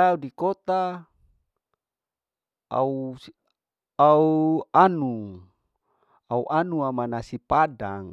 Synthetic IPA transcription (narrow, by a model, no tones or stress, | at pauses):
audikot̪a | a̰u | auanu | auʔanuamanasipadaŋ